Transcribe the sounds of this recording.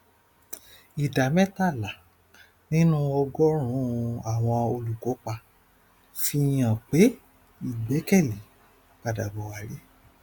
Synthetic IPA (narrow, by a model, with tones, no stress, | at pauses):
i˨da˨mɛ̃˦ta˦˨la˨ | nĩ˦nũ˦ɔ˧ɡɔ˦ɾ̃ũ˨˦a˨w̃ɔ̃˧o˧lu˨kɔ˨˦k͡pa˧ | fi˧j̃ã˨k͡pe˨˦ | i˦˨ɡ͡bɛ˨˦kɛ˦˨le˨˦ | k͡pa˧da˨bɔ˨wa˨ɾe˨˦